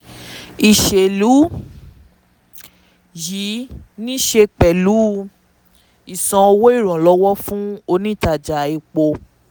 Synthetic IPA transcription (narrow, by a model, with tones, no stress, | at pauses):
i˨ʃe˨lu˨˦ | ji˨˦nĩ˦ʃe˧k͡pɛ˨lu˨˦ | i˨sɔ̃˧o˧wo˦i˦˨ɾ̃ɔ̃˨lɔ˦wɔ˦fũ˦o˧nĩ˦˨ta˨d͡ʒa˨˦i˧k͡po˧